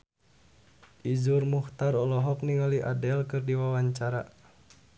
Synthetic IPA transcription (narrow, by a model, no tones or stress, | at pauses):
ʔizurmuht̪aɾɔlɔɦɔk̚niŋaliʔadɛlkɨrdiwawaɲt͡ʃaɾa